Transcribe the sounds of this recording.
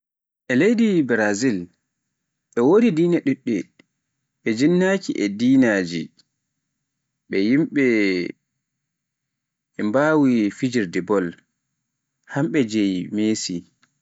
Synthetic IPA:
ʔɛlejdibɛɾazil | ɓɛwodidiːnaɗuɗːɛ | ɓɛd͡ʒinːakiʔɛdiːnad͡ʒi | ɓɛjimɓɛ | ɛmbawifid͡ʒiɾdɛbɔl | hamɓɛd͡ʒejmeːsi

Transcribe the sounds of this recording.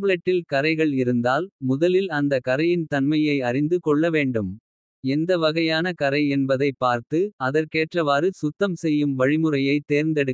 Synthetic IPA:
blɐʈːɪlkɐɾɐɪɣɐɭɪɾɯnd̪aːlmʊðɐlɪlɐnd̪ɐkɐɾɐjɪnt̪ɐnmɐjɐɪɐrɪnd̪ɯkɔɭːɐʋeːɳɖɯm | ɛnd̪ɐʋɐɣɐjaːnɐkɐɾɐɪɛnbɐðɐɪpːaːɾt̪ɯɐðɐɾkeːʈrɐʋaːɾɯsʊt̪ːɐmsɛjːɯmʋɐɻɪmɯrɐjɐɪt̪ːeːɾnd̪ɐɽɯ

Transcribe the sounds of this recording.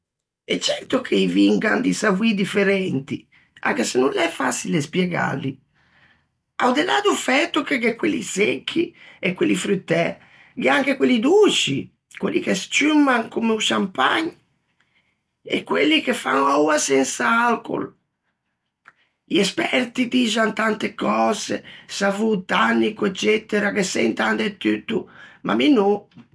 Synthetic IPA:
ɛt͡ʃːɛɾt̪okʰeiviŋɡa̰nd̪isavwid̪ifeɾɛnt̪i | a̰kesenːunlɛfasilespjɛɡa̰lːi | awd̪elaːd̪ufɛt̪ːukeɡɛkwelːisekʰːiɛkwelːifɾyt̪ːɛ | ɡeaŋkekwelːid̪ut͡ʃi | kwelːḭkest͡ʃymːaŋkumeuʃampa̰ɲ | ɛ̰kːwelːikefːa̰nawasɛnsaalko̰l | ʎɛspɛɾt̪id̪iːzant̪ant̪ekɔːzḛsavut̪anːikuɛt͡ʃːɛt̪ːeɾakesɛ̰nt̪and̪ɛt̪ːyt̪ːuma̰minu

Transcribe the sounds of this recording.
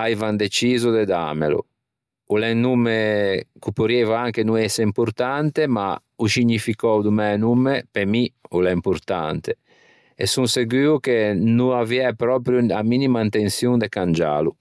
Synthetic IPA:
ajvand̪et͡ʃiːzud̪ed̪a̰ːmḛlṵ | ulɛŋnumːekupoɾjɛvaaŋkenuɛseimpuɾt̪ant̪ema̰ | uʃiɲːifikɔwd̪umɛnumːepemiulɛimpuɾt̪a̰nt̪e | ḛsuŋseɡyːukenuaviɛpɾɔːpɾjuaminimaint̪ensjund̪ekand͡ʒa̰ːlu

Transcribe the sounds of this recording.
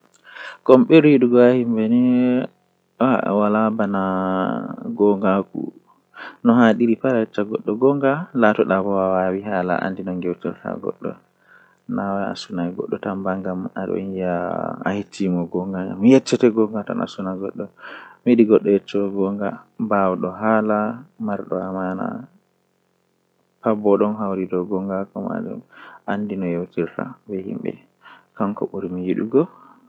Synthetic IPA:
kɔmɓɛɾiɗuɡɔahimbɛnɛ | awalabana | ɡɔŋɡakṵ | nɔɦaɗiɾipaɾajɛt͡ʃːaɡɔɗːɔɡɔŋɡalatɔɗabɔwawawiɦala̰ʔa̰ndinɔŋɡɛwtɛ̰ta̰ɡɔ̰ɗːɔ̰ | nawaa̰sunaɡɔɗːɔtambaŋɡamaɗɔ̰ijaa̰hitʰːimɔɡɔŋɡaamjɛt͡ʃːɛtɛɡɔŋɡata̰nʔa̰sunaɡɔɗːɔmiɗiɡɔɗːɔjɛt͡ʃːɔɡɔŋɡabawɗɔɦalamaɾɗɔamana̰ | pabɔɗɔnɦawɾidɔɡɔŋɡakɔma̰d͡ʒṵmʔandinɔjewtiɾta̰bɛhḭmbɛ̰ | kaŋkɔ̰ɓuɾimijiɗuɡɔ

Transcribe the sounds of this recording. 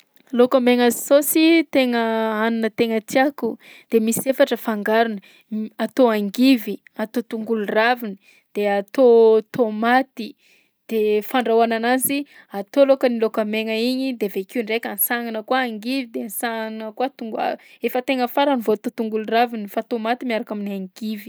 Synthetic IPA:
lokameŋazisosit̪eŋəanunət̪eŋət̪iaku | d̪̥emisefaʈ͡ʂəfaŋɡaɾunə | at̪oaŋɡivi | at̪ot̪uŋɡuluravini | d̪̥eat̪ot̪omat̪i | d̪̥efaɳɖ͡ʐawananazi | at̪olokənilokəmeŋəiɲid̪evekuɳɖ͡ʐekʲansaŋanəkuaːŋɡivid̪ensaŋnəkuat̪uŋɡa̰efət̪eŋəfaɾanivoat̪ot̪uŋɡuluravinifat̪omat̪imiaɾakaminiaŋɡivi̥

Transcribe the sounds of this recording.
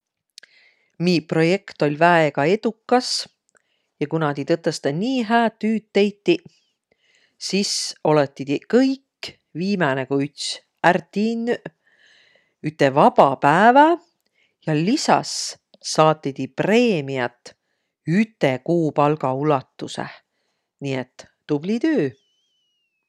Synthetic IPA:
miːpro̞je̞kt̪o̞lʲvæeɡ̥ɑe̞d̪̥ukːˑɑs | jɑkunɑd̪it̪ɤt̪ːˑɑst̪ɑniːɦæːt̪ːyːd̪̥̚t̪ːe̞jt̪ːi | siso̞let̪ːˑi̥ikɤjkː | viːmɑnekuyt̪s | ært̪in | yt̪ːˑevɑb̥ɑpæevɑ | jɑlisɑ̰sː | ɑːt̪ːˑid̪ipre̞ːmiɑt̪ːˑ | yt̪ːˑekuːpɑlɡɑulɑt̪ːusḛ | niet̪ː | ub̥lit̪øː

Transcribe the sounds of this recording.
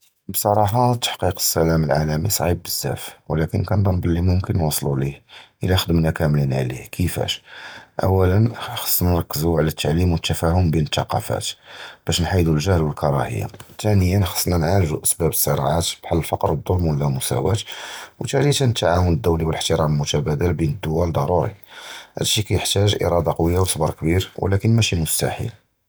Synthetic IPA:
bsˤɑɾˤɑħɑt̪ːḁħqiqə̥sːælæməlʕa̰læmisˤʕib̚bəzːæ̰fwlækənkænb̪ˤɑnbəlːimʊmkənːwɑsˤlulihʔəlæxəd̪əmnækæmlinʕlḭhkʰəfæ̰ʃʔæ̰wːælənxɑ̥sˤːnnɾˤɑkːəzuʕlæt̪ːaʕlimwət̪ːæfæhʊmbinət̪ːɑqɑ̰fæ̰t̪b̥æʃnħajd̪ulʒəhlwəlkʰɑɾˤɑ̰hə̰jːa̰t̪ænəjːənxɑ̥sˤːnænʕalʒuʔæsbæbəsˤːəɾɑ̰ʕat̪b̥ħalːəlfɑqɾˤəd̪ˤːolmwəlːæmʊsæ̰wæt̪wt̪ælit̪ænət̪ːaʕawənəd̪ːuwliwələħt̪əɾæmlmʊt̪æbæd̪əlbinəd̪ːʊwæld̪ˤɑɾˤuɾḭhæ̰d̪ʃikæjəħt̪æʒʔḭɾˤɑd̪ɑqwəjːawsˤbɑɾˤkbiɾwə̰lækənmæʃimʊst̪a̰ħḭl

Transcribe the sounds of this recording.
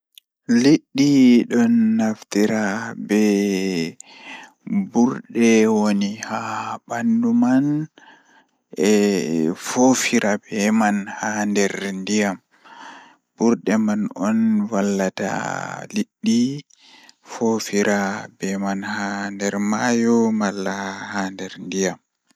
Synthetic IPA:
liɗːiɗɔnːaftiɾabɛ | buɾɗɛwonihabanduman | ɛ | fofiɾʔabɛmanhandɛɾndijam | b̥uɾɗɛmanɔnwalːata̰liɗːi | fofiɾʔabɛmanhandɛɾmajɔmalːahandɛɾndijam

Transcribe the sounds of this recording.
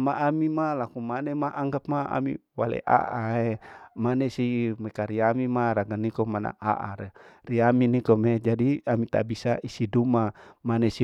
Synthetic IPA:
maʔamimalakumanemaʔaŋɡap̚maa̰mḭwa̰lḛʔa̰ʔaemanesimekaɾiamimaɾaɡanikomana̰a̰ʔa̰ɾeriaminikomed͡ʒadiamit̪a̰bisaʔisidumamanesi

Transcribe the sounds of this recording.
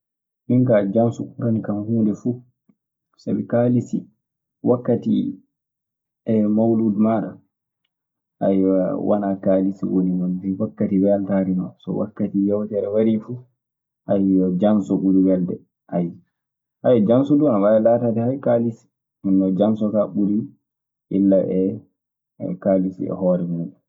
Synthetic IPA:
ʔiŋkaːd͡ʒansukuɾanikanhuːndɛfu | sabikaːlisi | wakːatḭ | ɛmawludmaɾa | ʔa̰jwʔa̰nakaːlisiwonimɔndiwakːatiwɛaltaɾimasɔ̰wa̰kːatijawtɛɾɛwaɾifu | ʔajɔd͡ʒansɔɓuɾiwɛldɛ̰ | ʔaj | hajd͡ʒansɔduanawajalaːtatɛhajkalisi̥ | inːɔd͡ʒansɔkaɓuɾi | ʔilːaʔɛ | kalisḭɛ̰hɔɾɛmuɗɛ

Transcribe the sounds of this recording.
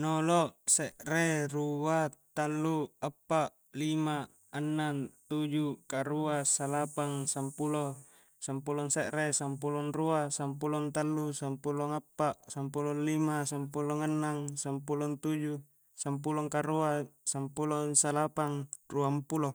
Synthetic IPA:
noloʔseʔreruat̪alːuapːaʔ | lima | anːant̪ud͡ʒukaɾuasalapaŋsampulo | sampulɔŋseʔresampulɔnruasampulɔnt̪alːusampulɔŋapːaʔsampulɔnlimasampulɔŋanːaŋsampulɔnt̪ud͡ʒu | sampulɔŋkaɾuasampulɔnsalapaŋruampulo

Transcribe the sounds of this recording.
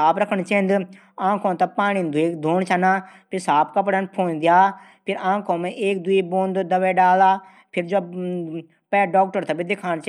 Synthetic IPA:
saːpɾəkʰəɳt͡ʃẽːnd̪ | ãːkʰõːt̪apaːɳiːnd̪ʱʊiːkd̪ʱoːɳt͡ʃʰanaːpʰɪɾsaːpkəpɽənpʰoːnd̪jaː | pʰɪɾãːkʰõːmẽʔeːk̚d̪ʊiːboːnd̪d̪əʋeːɖaːlaː | pʰɪɾd͡ʒoː | pɛːɖɔːk̚ʈəɾt̪ʰɐːbid̪ɪkʰaːɳt͡ʃː

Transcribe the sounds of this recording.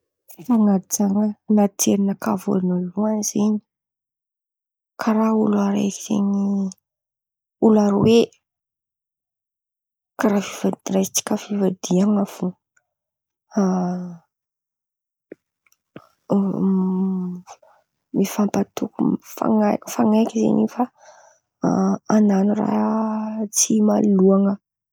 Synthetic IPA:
faŋad͡zaŋənat̪ʰeɾinəkavo̰noluanz̥eɲi̥ | kʰaɾaulaɾa̰sḛɲi | ulaɾowe | kaɾavivarajt͡si̥kʲəvivad̪iaŋafu | mifampat̪ukufa̰ŋafaŋajkʲizḛɲifa | ananura̰ | t͡simaluaŋə

